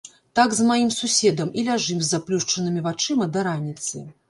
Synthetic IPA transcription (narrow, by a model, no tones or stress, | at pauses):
t̪aɡzmajimsusʲɛd̪ɐmilʲaʐɨmzʲːaplʲuʂt͡ʂɐnɨmʲivat͡ʂɨmɐd̪ɐɾanʲit̪sɨ̰